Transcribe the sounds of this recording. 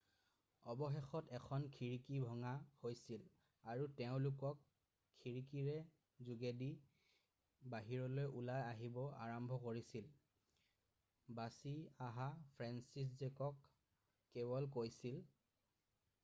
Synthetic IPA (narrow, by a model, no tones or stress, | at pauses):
ɔbɔxexɔtɛkʰɔnkʰiɹikibʱɔŋahojsil | aɹutɛʊ̃lʊkɔkʰː | iɹikiɹɛ | zuɡedi | baɦiɹɔlojulajaɦibɔa̰ɹɔmbʱɔkoɹisil | basiaɦapʰɹɛnsis̬zɛkɔkː | ɛbɔlkojsil